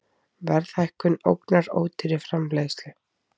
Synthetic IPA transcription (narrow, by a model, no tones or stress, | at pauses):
vɛɾθajhkʏno̰wknaɾo̰ːwt̪ʰɪɾɪfɾamvlejst̪lʏ